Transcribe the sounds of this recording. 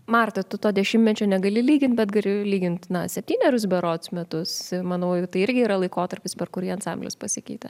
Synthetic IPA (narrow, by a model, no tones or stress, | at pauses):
mɑrt̪ot̪ʊt̪oːdʲɛʃʲɪmʲɛt͡ʃʲoːnʲɛɡɐlʲɪlʲiːɡʲɪnt̪̚bʲɛt̪ɡɐlʲɪlʲiːɡʲɪnt̪nɐsʲɛpʲt̪ʲiːnʲɛɾʲʊs̬bʲɛɾoːt̪smʲɛt̪ʊsmɐnoːt̪ɐɪɪɾʲɡʲɪiːɾɐlˠɐɪkoːt̪ɐɾʲpʲɪspʲɛrkʊɾʲiːɐnsɑmʲbʲlʲɛ̰spɐsʲɪkʲɛɪt̪ɐ